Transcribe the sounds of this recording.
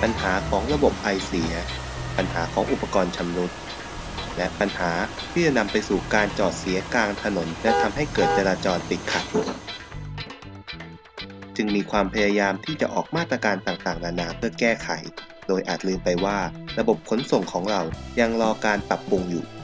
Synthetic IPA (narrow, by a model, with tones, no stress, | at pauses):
pa˧nɦaː˩˦kʰɔː˩˦ŋɾa˧bo˨˩p̚ʔa˧jsi˩˦ɐ | pa˧nɦaː˩˦kʰɔː˩˦ŋʔu˨˩pːa˧kɔː˧nt͡ɕʰa˧mɾu˦˥t̪̚ | lɛ˦˥ʔpa˧nhaː˩˦t̪ʰiː˥˩t͡ɕa˨˩na˧mpa˧jsuː˨˩kaː˧nt͡ɕɔː˨˩t̪̚si˨˩˦ɐkaː˧ŋt̪ʰa˧no˩˦npʰlɛ˦˥˩t̪ʰa˧mɦa˥˩jkɤː˨˩t̪̚t͡ɕa˧ɾaː˧t͡ɕɔː˧npi˨˩t̪̚kʰa˨˩t̪̚ | t͡ɕɯ˧ŋmiː˧kʰwaː˧mpʰa˧jaː˧jaː˧mt̪ʰiː˥˩t͡ɕa˨˩ʔɔː˨˩k̚maː˥˩t̪̚ːɾa˧kaː˧nt̪aː˨˩ŋt̪aː˨˩ŋnaː˧naː˧pʰɯ˥˩ɐkɛː˥˩kʰa˩˦j | doː˧jʔa̰ː˨˩t̪̚lɯː˧mpa˧jwaː˥˩ɾa˧bo˨˩p̚kʰo˩˦nso˨˩ŋkʰɔː˩˦ŋɾa˧wja˧ŋɾɔː˧kaː˧npa˨˩pːu˧ŋjṵː˨˩